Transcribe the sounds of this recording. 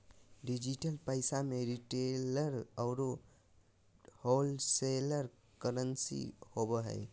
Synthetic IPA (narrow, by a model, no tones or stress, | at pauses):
ɖid͡ʒiʈəlpəɪsameɾiʈeləɾəʊɾo | holseləɾ | kəɾənsḭhobəɦə̰ɪ